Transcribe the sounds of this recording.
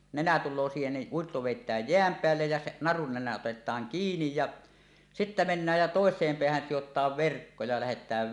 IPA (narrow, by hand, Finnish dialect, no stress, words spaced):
nenæ tulˑoː siːhen ni uitːo ʋeˑitˑæːj jeæm peælːej jæ se nɑrun nenæ otetˑɑːŋ kiːnij jɑ sitːæ menːæːj jɑ toˑesˑeːm peæhæn sijotˑɑːʋ ʋerkːo jɑ læhetˑæːʋ